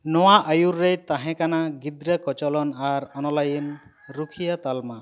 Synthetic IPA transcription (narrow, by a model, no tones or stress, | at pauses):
nɔwaʔajuɾːejt̪aɦɛ̃kanaɡid̪ɾəkɔt͡ʃɔlɔnaɾɔnɔlajin | ɾukʰijat̪alma